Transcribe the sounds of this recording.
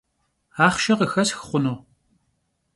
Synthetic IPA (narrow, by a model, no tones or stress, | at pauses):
aːχʃɐqəxɐsxɨ̥χʷʊnoː